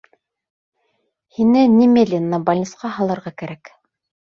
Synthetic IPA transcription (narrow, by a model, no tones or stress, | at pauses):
hinɘnʲimʲelʲinːɑbɐlʲnʲit̪sqɑɦɑlˠɤ̆ɾʁɑkæɾæk